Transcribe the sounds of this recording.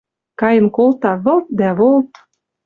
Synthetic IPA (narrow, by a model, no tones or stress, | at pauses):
kɑjə̆nkolt̪ɑβɤ̆lt̪̚d̪æβolt̪